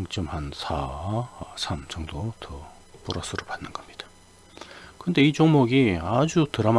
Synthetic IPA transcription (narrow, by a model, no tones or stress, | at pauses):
ŋt͡ɕ͈ʌmhansʰa | sʰamt͡ɕʌŋdotʰʌ | puɾasʰɯɾopanːɯnɡ̥ʌmɲid̥ḁ | kɯnd̪e̞it͡ɕoŋmoɡiad͡ʑutɯɾam